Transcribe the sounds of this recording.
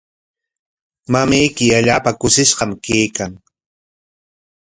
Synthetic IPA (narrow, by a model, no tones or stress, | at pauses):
mamajkɪaʎaːpakʊsɪʃɢɑmkejkaŋ